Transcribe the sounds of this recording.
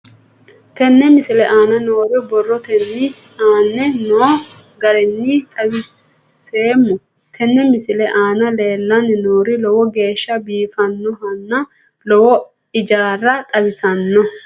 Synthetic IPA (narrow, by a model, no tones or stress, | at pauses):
t̪ɛnːɛmɪsɪlɛʔaːnɐnoːɾɪbɔrːɔt̪ɛnːɪ | aːnːɛnoː | ɡɐɾɛnːɪt̪ʼɐwɪse̞ːmːɔ | t̪ʰɛnːɛmɪsɪlɛʔaːnɐle̞ːlːɐnɪnoːɾɪlɔwɔɡe̞ːʃːɐbiːfɐnːɔɦɐnːɐ | lɔwɔ | ɪd͡ʒaːrːɐt̪ʼɐwɪsɐnːɔ